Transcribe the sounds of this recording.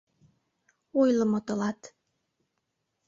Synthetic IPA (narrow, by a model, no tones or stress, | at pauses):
ojləmot̪əlɑt̪